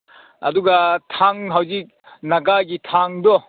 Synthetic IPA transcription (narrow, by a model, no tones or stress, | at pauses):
ɐ̰duɡatʰaŋɦawzik̚ | naɡaɡitʰaŋdɔ